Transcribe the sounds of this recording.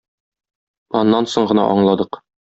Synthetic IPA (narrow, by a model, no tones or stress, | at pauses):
ɒnːɑnsoɴɢɤ̆nɑ̰ʔɒɴlˠɑd̪ɤq